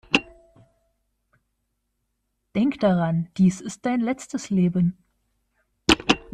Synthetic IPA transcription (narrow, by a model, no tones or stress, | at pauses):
d̥ɛŋkd̥aʁand̥iːsɪst̚d̥aɪnlɛt͡stəsleːbən